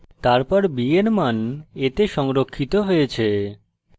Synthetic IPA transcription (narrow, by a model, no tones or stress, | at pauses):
t̪aɾpɔɾbienmanet̪eʃɔŋɾokʰːit̪oɦojet͡ɕʰe